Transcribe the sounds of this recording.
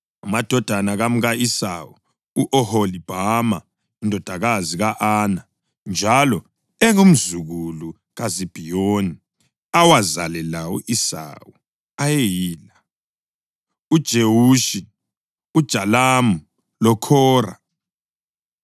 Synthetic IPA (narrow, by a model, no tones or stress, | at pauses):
amad̥ʱɔd̥ʱanaɣamuɣaisa̰wu | uʔɔholib̥ʱama̰ | indʱɔd̥ʱaɣaziɣaʔaːna | nd͡ʒʱalɔ | ɛŋum̩zuɣulu | ɣazib̥ʱijoni | awazalɛlawṵʔisa̰wu | ajejiːla | ud̥ʒ̥ʱewuʃi | ud̥ʒ̥ʱalamu | lɔkʰɔːra̰